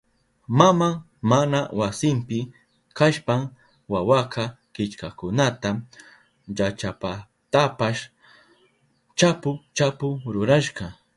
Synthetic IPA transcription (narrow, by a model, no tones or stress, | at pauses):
mamaŋ | manawasɪmpɪ | kaʃpam | wawakɑ | kɪt͡ʃkakʊnat̪a | jat͡ʃapa | t̪apaʃ | t͡ʃapʊt͡ʃapʊɾʊɾaʃqɑ